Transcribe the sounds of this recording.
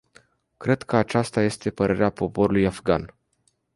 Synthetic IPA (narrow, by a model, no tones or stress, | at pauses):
kɾe̞d̪kʰəat͡ʃast̪aje̞st̪e̞pəɾʔe̞ɾeapo̞po̞ɾulujafɡan